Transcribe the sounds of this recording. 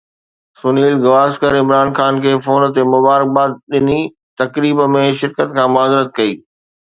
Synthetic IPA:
sʊniːlɡɐʋaːskəɾɪ̃mɾaːnxaːnkʰeːfoːnt̪emʊbaːɾɪk̚baːt̪̚ɗɪni | t̪ɐkɾiːbəmẽʃɪɾkət̪kʰãːmʊaːzɾət̪̚kɐiː

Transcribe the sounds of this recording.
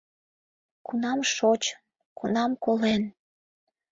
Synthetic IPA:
kunɑmʃot͡ɕ | kunɑmkolen

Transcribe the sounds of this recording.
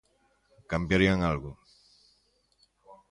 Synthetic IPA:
kampjaɾjaŋalɡu

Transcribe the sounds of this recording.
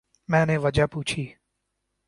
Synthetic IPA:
mɛ̃ːneʋəd͡ʒaːpuːt͡ʃʰiː

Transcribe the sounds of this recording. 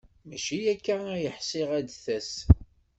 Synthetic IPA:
mæʃijækːææjəħsɪʁæd̪θæs

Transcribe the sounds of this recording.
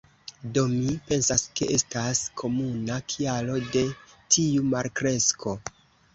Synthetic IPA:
do̞mipe̞nsaske̞ʔe̞staskʰo̞munakʰialo̞de̞tʰiumaɾkɾe̞skʰo̞

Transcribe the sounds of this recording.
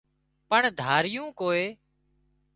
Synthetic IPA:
pəɳd̪ʱaːɾɪjũːkoːeː

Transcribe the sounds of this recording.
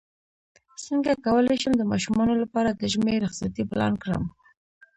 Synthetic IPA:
səŋɡakawəlajʃəmd̪əmɑʃumɑnolapɑɾad̪əʒmeɾɪxqsat̪iplɑ̰nkɽə̰m

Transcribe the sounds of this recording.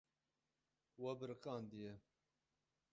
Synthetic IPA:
wɐbɨɾɨqɑːnd̪ijɛ

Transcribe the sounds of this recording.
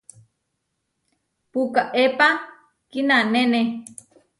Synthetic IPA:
pukaʔepa | kinanene

